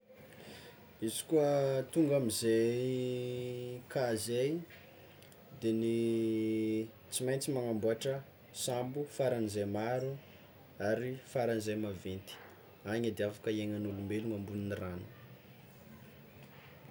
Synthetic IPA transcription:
izi̥kuət̪uŋɡamizej | kazej | d̪eni | t͡simajnt͡simaŋambuaʈ͡ʂə | sambufaɾanizemaɾu | aɾifaɾanzejmavent̪i̥ | aɲad̪eafakəieɲanulumbeluŋambuniniranu̥

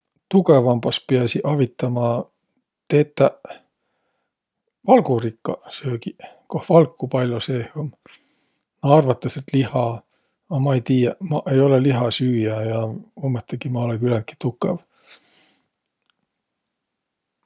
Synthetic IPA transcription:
t̪uɡe̞vɑmb̥ɑspeɑsiʔɑvit̪ːˑɑmɑ | t̪eːt̪ːˑæ | vɑlɡurikːɑ̰søːkikohvɑlkːˑupɑlʲjosehom | nɑɑrvɑt̪ːˑɑset̪lihɑ | ɑmɑejt̪iːjɑmɑʔejo̞leliɦɑsyːjæjɑomːet̪ːˑeɡ̥imɑolekylænt̪̚ki̥t̪ukːˑḛv

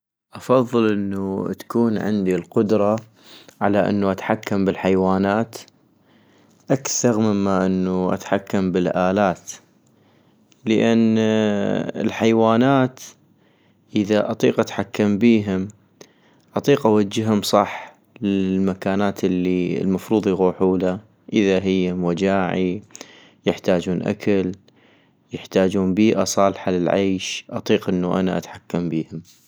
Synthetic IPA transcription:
ʔɑfɑðˤːɨlʔənːut̪ḁkuːnʕɪ̰nd̪ilqʊd̪ɾˤɑ | ʕalaʔɪ̰nːuʔat̪ħakːambɪlħajwaːnaːt̪ | ʔakθɑɾˤmɪmːaʔɪnːuʔa̰t̪ħakːambɪlʔaːlaːt̪ | ləʔanː | ɪ̰lħajwaːnaːt̪ | ʔəðaʔɑt̪ˤiːqʔat̪ħakːambiːɦɪm | ʔɑt̪ˤiːqʔawad͡ʒːɪɦʊmsˤɑħ | lɪlmakaːnaːt̪ɪlːḭlmɑfɾuːðˤiɣuːħuːla | ʔɪðaɦɪjːamwad͡ʒaːʕi | jɪħt̪aːd͡ʒuːnʔa̰kʰal | jɪħt̪aːd͡ʒuːnbiːʔasˤɑːlħalɪlʕeːʃʔɑt̪ˤiːqʔɪnːuʔa̰naʔa̰t̪ħakːambiːhɪm

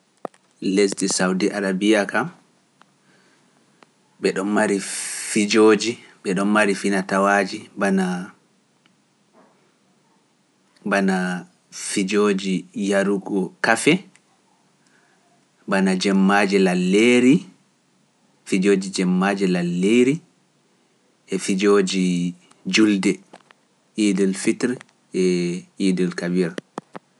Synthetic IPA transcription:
les̬disawdiʔaɾabijakam | ɓɛɗɔnmaɾifid͡ʒoːd͡ʒiɓɛɗɔnmaɾifinatawaːd͡ʒibana | bana | fid͡ʒoːd͡ʒijaɾuɡɔkafɛ | banad͡ʒɛmːad͡ʒɛlalːeːɾi | fid͡ʒoːd͡ʒid͡ʒɛmːaːd͡ʒɛlalːeɾi | ʔɛfid͡ʒoːd͡ʒi | d͡ʒuldɛ | ʔiːdilfitɾɛ | ɛiːdilkabiɾa

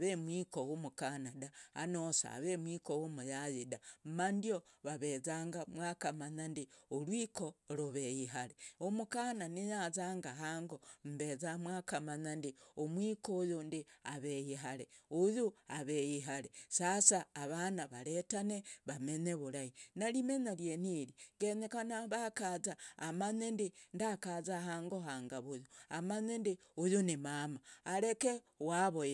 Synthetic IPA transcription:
βemwiːkowumukanadaa̰nosa̰βemwikowumujajidam̩mandioβaβezaːŋɡamwaːkamaɲandiolwiːko̞ɾuβejiɦaleomukananijazaːŋɡaɦaŋɡom̩bezamwaːkamaɲandiomwiːkojundiaβejiɦaleujuaβejiɦalesasaːβanaβaletaneβameɲeβuɾainalimeɲaljeniɾiɡenekanaβakazaːmaɲendindakazaɦaːŋɡoɦaŋɡaβujuamaɲendi | ujunimamaːɾeke | waβo

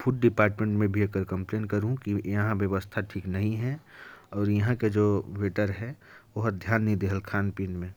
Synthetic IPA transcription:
pʰuʈ̚ɖɪpaːɾʈmẽɳʈmẽbʱieːkəɾkə̃mpleːnkɐɾɦũkijɐɦãbjəʋəst̪ʰaʈʰiːknɐɦĩɦɛ | ɔːɾjɐɦãked͡ʒoːʋeːʈəɾɦɛ | oɦd̪ʱjaːnːid̪eɦəlkʰaːnpiːnmẽ

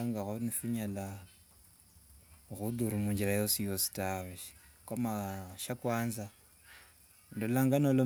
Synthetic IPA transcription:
aŋɡaɣonifuɲala | ɣuduɾumuɲd͡ʒiɾajosijosi̥taβiʃi̥ | kwamaʃakwaːnza | ndolaŋɡanolo

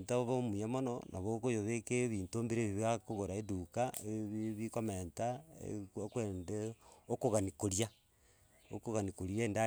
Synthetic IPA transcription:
ntaβoβomujamono̰nʔa̰βokojoβekeβiːntoːmbeɾeβiβakoɣoɾaedukaeβiβikomeːntaḛokweːndeokoɣanikoɾia | okoɣanikoɾieːnda

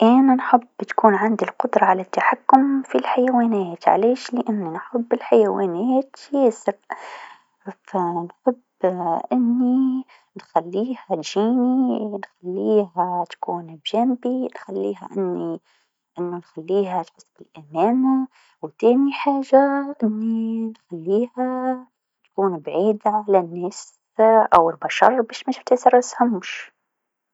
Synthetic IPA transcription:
ʔæːnanħʊbːt̪kuːnʕand̪ilqʊd̪ɾˤɑʕalat̪ːaħakːʊmfilħajawaːnæːt̪ʕa̰leːʃlɪʔanːinħʊbːɪlħajawaːnæːt̪jeːsɪɾ | fanħʊb | ʔɪnːi | nxalːiːhat̪ʒiːninxalːiːɦat̪ḁkuːnbʒanbinxalːḭːɦa̰ʔɪnːi | ʔɪnːʊnxalːiːɦat̪ħʊsˤːbɪlʔamaːna | wt̪eːniħaːʒaʔɪnːinxalːiːha | t̪ḁkuːnbʕiːd̪aʕalanːeːs | ʔawɪlbaʃɑ̰ɾˤbeːʃmɪʃt̪ɪsɑɾˤʔshamʊʃ

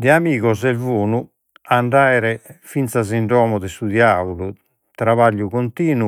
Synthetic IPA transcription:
d̪ɛamiːɣɔzɛlvoːnu | aɳɖajɾɛfint̪saziɳɖɔːmɔd̪ɛsud̪jaulu | t̪ɾaβaʎːukont̪iːnu

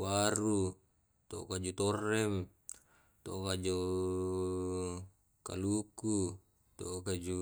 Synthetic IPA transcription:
waɾu | t̪oʔo̰kad͡ʒut̪orːɛm | t̪oʔokad͡ʒo | ka̰luku | t̪oʔokad͡ʒu

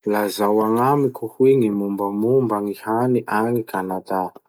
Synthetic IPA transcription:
lazawaŋamikuhweŋimumbəmumbaŋihaniʔaŋikʰanat̪a

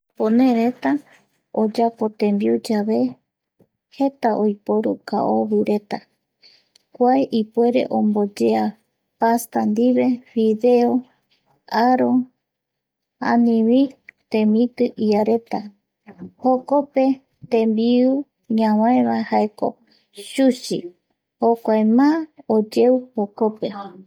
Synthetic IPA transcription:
ponẽɾet̪a | od͡ʒapo̞t̪ẽ̞mbiud͡ʒaβe̞ | he̞t̪aʔojpoɾuka̰ʔoβɨɾe̞t̪a | kʷaeʔipwe̞ɾe̞̰ʔõmbo̞d͡ʒea | past̪and̪iβe̞βiðe̞o | aɾo̞ | ã̰nĩβit̪ẽmĩt̪ɨʔiaɾe̞t̪a | hoko̞pe̞ | t̪ẽmbiu | ɲãwãẽβahaeko̞̰ | ʃuʃi | hokʷaemãod͡ʒeuhokope̞

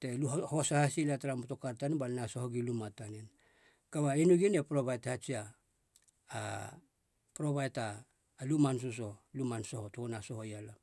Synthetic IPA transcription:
teluhosahasilataɾamoto̞kaɾtanibalnasohoɡilumatanen | kaβainuɡinepɾobajtahat͡ʃiaː | pɾo̞bajtaː | lumans̬us̬o̞lumansohotoonasoɦojala

